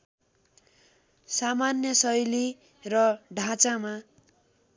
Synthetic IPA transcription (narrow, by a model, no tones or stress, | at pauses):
samanjʌsʌjli | rʌɖʱãt͡sama